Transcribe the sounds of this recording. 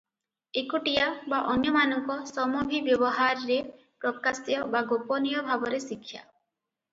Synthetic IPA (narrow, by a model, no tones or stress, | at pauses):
ekuʈijabaʔɔnjɔmanɔŋkɔsɔmɔbʱibjɔbɔɦaɾɾe | pɾɔkasjɔbaɡopɔnijɔbʱabɔɾesikʰːja̰